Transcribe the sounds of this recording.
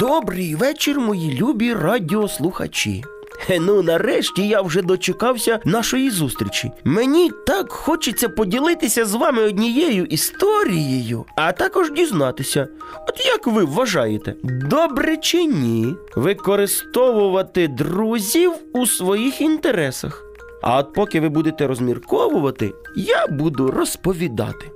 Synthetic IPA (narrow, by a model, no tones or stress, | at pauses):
d̪̥ɔbɾɪjʋɛt͡ʃɪrmɔjilʲubʲirɑdʲiɔslˠʊxɐ̰t͡ʃʲḭ | ɛnunɐɾɛʃtʲijawʒɛd̪ɔt͡ʃekɑwsʲɐnɑʃɔjizust̪ʲɾʲit͡ʃʲḭmenʲit̪ɑkxɔt͡ʃɪt͡sʲːɐpɔdʲilˠɪt̪ɪsʲɐzʋɑmɪɔdʲnʲijɛjʊʔist̪ɔɾʲijejʊ̰ɐt̪ɑkɔʒdʲiznɑt̪ɪsʲɐ | ɔt̪jɐkʋɪwːɐʒɑjet̪ɛ̰d̪ɔbɾɪt͡ʃɪnʲi | ʋɪkɔɾɪst̪ɔʋʊʋɐt̪ɪd̪ruzʲiwusʋɔjixint̪eɾɛsɐ̰x | ɐ̰ɔt̪̚pɔkɪʋɪbud̪et̪ɛɾɔzmʲirkɔʋʊʋɐt̪ɪ̰ | jabud̪ʊrɔspɔʋʲid̪ɑ̰t̪ɪ̥